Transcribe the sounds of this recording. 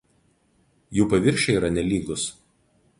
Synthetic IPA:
juːpɐʋʲɪɾʲʃʲɛiːɾɐnʲɛlʲiːɡʊs

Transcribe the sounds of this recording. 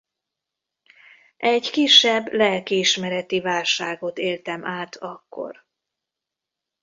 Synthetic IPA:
ʔɛɟkiʃːɛbːlɛkːiːʃmɛɾɛt̪ivaːlʃaːɡo̞t̪eːlt̪ɛmʔaːt̪ʰɒkːo̞̰r

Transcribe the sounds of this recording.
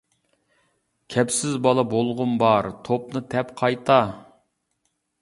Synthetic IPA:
kʲʰɛpsɪzbɑlˠɑbolˠʁʊmbɑɾt̪ʰop̚nɨt̪ʰɛpqʰɑjt̪ʰɑ

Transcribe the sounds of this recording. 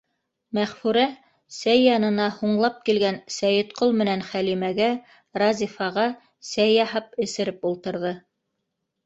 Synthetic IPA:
mæʁfʉɾæ | sæjːɑnɤ̆nɑhuɴlˠɑp̚kilɡænsæjɘt̪qolˠmɘ̆nænχælimæɡæ | ɾɑzʲifɑʁɑ | sæjːɑɦɑp̚ɘ̆sɘ̆ɾɘpulˠt̪ɤ̆ɾðɤ

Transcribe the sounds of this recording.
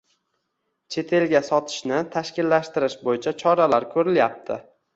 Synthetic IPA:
t͡ʃʰe̞t̪ʰe̞lɡʲasɒt̪ʰɪ̥ʃnɪt̪ʰaʃkʲɪlːaʃt̪ɪɾɪʃbojɪt͡ʃʰat͡ʃʰɒɾalaɾkʲʰɵɾɪljap̚t̪ʰɪ

